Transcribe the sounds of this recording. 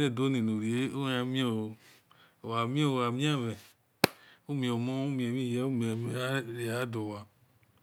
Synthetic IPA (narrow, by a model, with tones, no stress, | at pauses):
ne˦˨do˦nĩ˨nũ˨ɾi˨e˦o˦a˨˦mĩ˦o˨o˨ | o˨wa˨mĩ˦o˦o˨a˨mĩ˦a˦˨vɛ̃˨ | u˦mĩ˨o˨mɔ̃˦u˦mĩ˨e˨mĩ˦˨jɛ˨˦u˦mĩ˨ɛ˨mi˨˦a˦ɾi˨a˨˦do˨wa˨